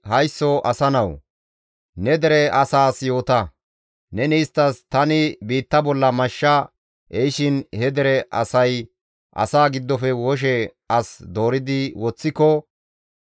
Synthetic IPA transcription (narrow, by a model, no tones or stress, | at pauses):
hɐjsːɔʔɐsɐnɐw | nɛd̪ɛɾɛʔɐsaːsjo̞ːt̪ɐ | nɛnɛɪst̪ːɐst̪ɐnɪbiːt̪ːɐbɔlːɐmɐʃːɐ | ʔɛʃɪnhɛd̪ɛɾɛʔɐ̰sɐj | ʔɐ̰saːɡɪd̪ːɔfɛwɔʃ̬ɛ | ɐsd̪o̞ːɾɪd̪ɪwɔt͡sːɪkɔ